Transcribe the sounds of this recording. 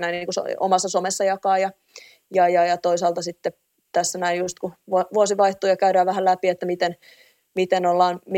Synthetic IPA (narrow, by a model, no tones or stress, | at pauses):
næinːiːŋkuso̰o̰mɑsːɑsomesːɑjɑkɑːjɑ | jɑjɑjɑt̪oisɑːlt̪ɑsit̪ːe | t̪æsːænæinjust̪kuʋuoʋuosiʋɑiht̪uːjɑkæyɾæːʋæhælæpiet̪ːæmit̪en | mit̪enolːɑːnmi